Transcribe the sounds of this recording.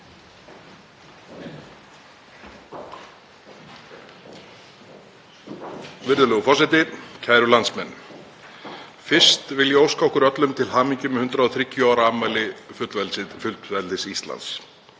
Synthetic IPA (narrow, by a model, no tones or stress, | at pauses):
vɪɾðʏlœɣʏfɔsɪt̪ɪcʰaːjɾʏlant̪smɛnː | fɪr̥st̪vɪljɛowskaɔhkʏɾœt̪lʏmt̪ʰɪlɦaːmiɲcʏmhʏnt̪ɾaɔθɾɪcːʏaːwɾaamajlɪfʏt̪lvɛlsɪfʏlt̪vɛlt̪ɪsist̪la̰nt̪s